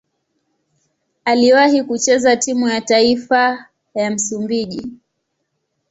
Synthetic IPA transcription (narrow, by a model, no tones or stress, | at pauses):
aliwahikut͡ʃɛzatimujataifa | jam̩sumbiʄi